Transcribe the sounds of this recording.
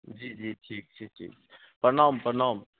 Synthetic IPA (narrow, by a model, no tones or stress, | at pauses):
d͡ʒiːd͡ʒiːʈʰiːk̚t͡ʃʰiːʈʰḭːkː | pənaːmpənaːm